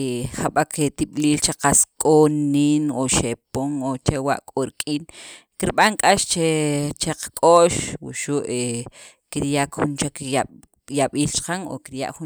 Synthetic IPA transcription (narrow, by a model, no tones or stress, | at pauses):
xaɓaket̪iɓliːlt͡ʃeqaskʼonːiːnoʃepoŋot͡ʃewa̰ʔkʼoɾikʼiːn | kiɾɓaŋkʼaʃt͡ʃet͡ʃeqakʼoːʃwuʃuʔe | kiɾjakxunt͡ʃaka | jaɓiːlt͡ʃqaŋo̰kiɾja̰ʔxu